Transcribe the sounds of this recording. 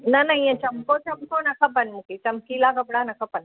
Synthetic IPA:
nɐnɐjɐ̃t͡ʃɐmkoːt͡ʃɐmkoːnɐkɐpɐnmukit͡ʃɐmkilaːɡɐbiɽanɐkɐpɐn

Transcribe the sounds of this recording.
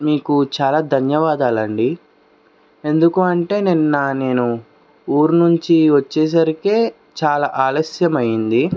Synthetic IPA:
miːkut͡ʃaːlaːd̪ʱɐnjɐʋaːd̪aːlɐɳɖi | e̞nd̪ukuɐɳʈe̞ːninːɐne̞ːnu | uːɾnuɲt͡ʃiʋɐt͡ʃːɛːs̬ɐɾikeː | t͡ʃaːlaːʔaːlɐsjɐmɐjind̪i

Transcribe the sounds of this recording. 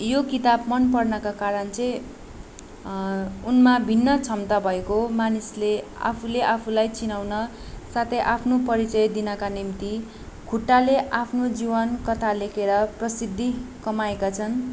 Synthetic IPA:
jokit̪abmʌnpʌrnʌkakaɾʌnt͡sʌj̃ | unmabʱinːʌt͡sʰʌmt̪abʱʌekomanislea̰pʰuleʔapʰulajt͡sinawnʌ | sat̪ʰʌjʔapʰnopʌɾit͡sʌjd̪inʌkanimt̪i | kʰuʈːaleʔapʰnod͡zibʌnkʌt̪ʰalekʰeɾʌprʌsid̪ʱːikʌmaekat͡sʰʌn

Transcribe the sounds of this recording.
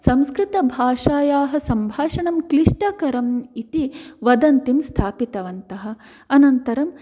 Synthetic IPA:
sɐ̃mskɾit̪ɐbʱaːʂaːjaːɦɐ̆sɐmbʱaːʂɐɳɐmkliʂʈɐkɐɾɐmit̪iʋɐd̪ɐnt̪imst̪ʰaːpit̪ɐʋɐnt̪ɐɦɐ̆ | ɐnɐnt̪ɐɾɐm

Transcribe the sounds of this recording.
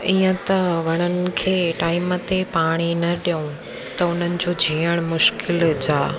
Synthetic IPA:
iːə̃t̪ɐʋɐɽ̃ənɪ̆kʰeːʈaːɪmət̪epaːɽ̃inɐɗijũ | t̪ɐʊn̤ənɪ̆d͡ʑoːd͡ʑʱiːəɽ̃mʊʃkɪld͡ʑaː

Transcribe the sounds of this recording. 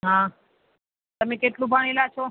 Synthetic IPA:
ɦã | t̪əmẽkeʈlũbʱəɳ̃elat͡ʃʰo

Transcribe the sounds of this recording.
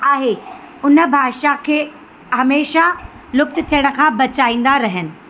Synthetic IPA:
aːɦe | ʊnə̆bʱaːʃakʰeː | ɦɐmeːʃa | lʊk̚t̪ɪ̆t̪ʰijəɽ̃ə̆kʰãːbɐt͡ɕaːĩːn̆d̪aɾɐɦənɪ̆

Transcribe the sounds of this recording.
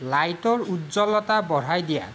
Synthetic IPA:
lajtɔɹutzɔlɔtabɔɹajdija̰

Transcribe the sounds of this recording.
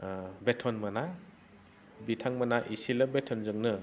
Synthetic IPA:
betʰɔnmana | bitʰaŋmanaʔisilabetʰɔnzɯŋnɯ

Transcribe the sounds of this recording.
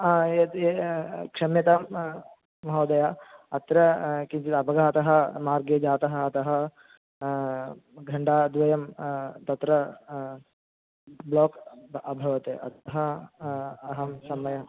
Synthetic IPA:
et̪ekʂɐmjɐt̪ɐmː | ɐɦɐːd̪ɐjaɐt̪ɾɐkint͡ʃit̪ɐbɐɡʱaːt̪ɐɦɐmaːɾɡeːd͡ʒaːt̪ɐɦɐːt̪ɐɦɐ | ɡʱɐɳɖaːd̪ʋɐjɐmt̪ɐt̪ɾɐ | bloːkɐbʱɐʋɐt̪ḛːʔɐ̰t̪ɐɦɐ | ɐɦɐmsɐmɐjɐ

